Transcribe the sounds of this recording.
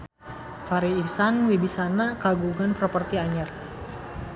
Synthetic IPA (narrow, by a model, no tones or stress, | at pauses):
faɾiːsanwibisanakaɡuɡanpɾɔpərt̪iaɲar